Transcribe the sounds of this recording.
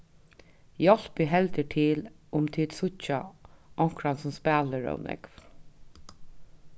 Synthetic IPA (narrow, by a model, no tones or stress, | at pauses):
jɔl̥pɪɦɛlt̪əʈʰɪlʊmt̪ʰɪlsʊt͡ʃaʔɔŋ̥kɾansʊmspæːləɹə̰wnʔɛ̰kv